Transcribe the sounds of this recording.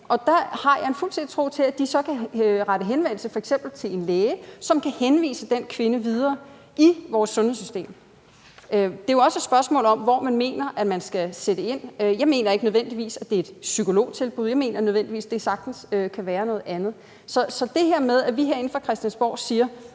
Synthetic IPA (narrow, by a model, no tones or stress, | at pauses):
ʔɒ̽d̥ɑhɑ̈jɑ̈enfulsʰed̥i̥t͡sʰʁo̝̰ːt͡sʰe̝læd̥isɒ̽kʰæʁaɾəɦenʋen̰l̩səfɒeɡ̥sem̰b̥l̩t͡sʰe̝le̝nleːəsɒ̽mkʰæhenʋḭːsəd̥enkʰʋe̝nəʋið̞ˠɐː | ʔiʋɒːsːɔ̽nhḛsy̥sd̥ḛːm | ød̥e̝joɒ̽səd̥sb̥ɶɐsmɔ̰ːlɒ̽mʋɒmænme̝̰ːnɐʔæ̥mænsɡ̥æsed̥əe̝n̰jɑ̈ɪme̝̰ːnɐe̝ɡ̥nøðˠʋen̰d̥iʋḭːsæd̥e̝e̝d̥sykʰo̝lo̝̰ːt͡sʰe̝lb̥uð̰ˠjɑ̈me̝̰ːnɐnøðˠen̰d̥iʋḭːsd̥e̝sɑ̈ɡ̥̚d̥n̩søkʰæʋæːɐnɔ̽ːð̩ˠænð̩ˠ | sɒ̽sɒ̽d̥e̝ɦeɐmeðˠæʋiɦeɐe̝n̩fʁɑ̈kʰʁɛsd̥jænsb̥ɒ̰ʊ̰siːɐ